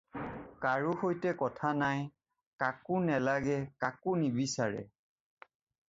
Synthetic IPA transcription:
kaɹuhojtɛkɔtʰanaj | kakʊnɛlaɡɛkakʊnibisaɹɛ̰

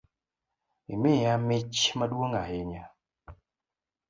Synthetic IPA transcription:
imɪjamɪt͡ʃmadwoŋahɪɲa

